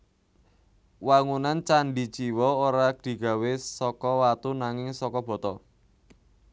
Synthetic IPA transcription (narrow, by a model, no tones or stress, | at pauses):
waŋunant͡ʃaɳɖit͡ʃiwɔoɾaɡ̥i̤ɡ̥a̤wesɔkɔwat̪unaŋɪŋsɔkɔb̥ɔ̤t̪ɔ